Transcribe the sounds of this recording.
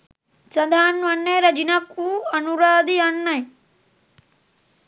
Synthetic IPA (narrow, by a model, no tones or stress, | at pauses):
sɐd̪ʱaːnʋɐnːeɾɐd͡ʒinɐkuːɐnuɾad̪iɐnːɐĩ